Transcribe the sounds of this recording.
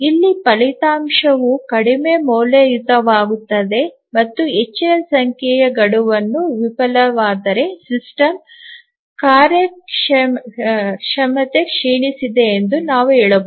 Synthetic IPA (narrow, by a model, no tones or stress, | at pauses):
ilːipɐlit̪aːmʂɐʋukɐɽime̞moːlejut̪ɐʋaːɡut̪ːɐd̪e̞ | mɐt̪ːuet͡ʃːinɐsɐŋkʰjɛjɐɡɐɽuʋɐnːuʋipɐlɐʋaːd̪ɐɾe̞sisʈɐm | kaːɾjɐ | ʂɐmɐt̪e̞kʂiːɳisid̪e̞ːnd̪unaːʋuɛːɭɐb